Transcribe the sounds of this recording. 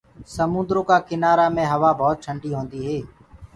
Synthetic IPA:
səmʊ̃nd̪ɾõːkaːkɪnaːɾaːmẽːɦəʋaːbʱɔːt̪̚t͡ʃʰəɳɖiːɦõːnd̪iːɦeː

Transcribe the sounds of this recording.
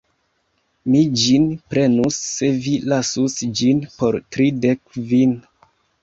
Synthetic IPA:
mid͡ʒinpɾe̞nusːe̞vilasusd͡ʒinpo̞ɾtɾidekvin

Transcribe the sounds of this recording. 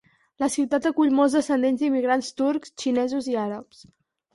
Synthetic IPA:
ləsiwt̪at̪əkuʎmɔlˠzðəsənd̪enzd̪imiɣɾanst̪uɾkst͡ʃinɛzuziaɾəps

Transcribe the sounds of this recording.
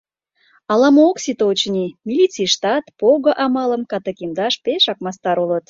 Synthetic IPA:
ɑlɑmooksit̪oot͡ɕənimʲilʲit͡sijʃt̪ɑt̪poɣəʔɑmɑlə̆mkɑt̪əkʲimd̪ɑʃpeʃɑk̚mɑst̪ɑɾulət̪

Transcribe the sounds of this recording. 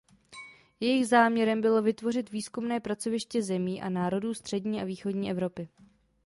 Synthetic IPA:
jɛjɪɣzaːmɲɛɾɛmbɪlo̞vɪt̪vo̞rɪt̪viːskumnɛːpɾat͡so̞vɪʃcɛzɛmiːʔa̰naːɾo̞duːst̪r̝̥ɛdɲiːʔaviːxo̞dɲiːʔɛvɾo̞pɪ

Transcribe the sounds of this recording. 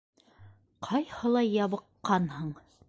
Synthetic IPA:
qʰɑjhɤ̆lˠɑjɑβɤ̆qːɑnhɤɴ

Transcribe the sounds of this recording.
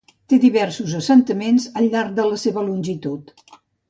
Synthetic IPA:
t̪eðiβɛrsuzəsənt̪əmenzəʎːaɾk̚d̪ələseβəlunʲʒit̪ut̪

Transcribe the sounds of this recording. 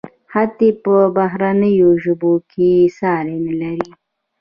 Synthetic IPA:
hat̪epəbaɦɾanəjoʒəbokʰesɑɾenlaɾi

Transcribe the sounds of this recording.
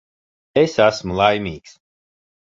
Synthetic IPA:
esæsmulˠajmʲiːks

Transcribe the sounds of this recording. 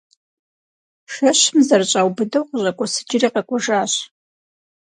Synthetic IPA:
ʃɐɕmzɐrt͡ɕʼaːwbɨdɐwqəʑɐkʷʼɔsɨ̥d͡ʒɪriːqɐkʷʼɔʒaːɕ

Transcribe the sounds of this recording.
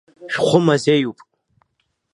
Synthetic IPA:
ʃᶣχʷʊmazejupʼ

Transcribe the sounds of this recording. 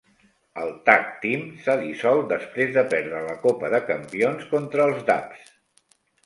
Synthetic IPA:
əlˠt̪ak̚t̪imsaðisɔlˠd̪əspɾezðəpɛɾðɾələkopəðəkəmpionskont̪ɾəːlˠzda̰ps

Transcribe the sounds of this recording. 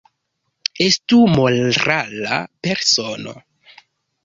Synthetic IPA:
estumolɾala̰peɾsono̰

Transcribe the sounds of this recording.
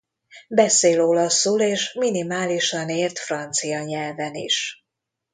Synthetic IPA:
bɛseːlolɒsːuleːʃminimaːliʃɒneːrt̪frɒnt̪sijɒɲɛlvɛnḭʃ

